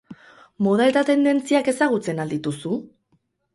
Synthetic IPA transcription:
mo̞ð̞ae̞t̪at̪e̞nd̪e̞nt͡siake̞saɣ̞ut͡se̞nald̪it̪usu

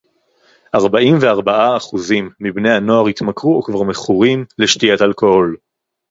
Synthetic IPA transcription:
ʔaʁbaʔimve̞aʁbaʔaːχuzimːibnejano̞aʁit̪makʁuokvaʁmeχuʁimleʃtijatalkohol

